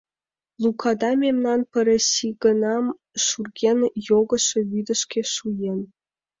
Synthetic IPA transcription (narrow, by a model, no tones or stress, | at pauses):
lˠukʰɑd̪ɑmʲemnɑnpə̆ɾʲĕɕiɡə̆nɑm | ʃurɡʲenjoɡɤ̆ʃĕβyd̪ə̆ʃkʲʰeʃujen